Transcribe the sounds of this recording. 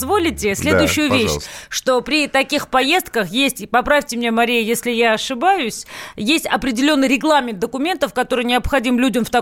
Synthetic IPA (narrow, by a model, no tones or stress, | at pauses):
zvo̞lʲɪtʲɪsʲlʲed̪ʊjʊɕːʊjʊvʲeɕʂt̪o̞pɾʲɪt̪ɐkʲixpɐje̞st̪̚kəxjesʲtʲpɐpɾafʲtʲɪmnʲemɐɾʲijɪjesʲlʲɪjaɐʂɨbajʊsʲjesʲtʲɐpɾʲɪdʲɪlʲo̞nːɨjɾʲɪɡlˠamʲɪnt̪d̪əkʊmʲe̞nt̪əfkɐt̪o̞ɾɨjnʲɪɐpxɐdʲimlʲudʲɪmft̪ɐ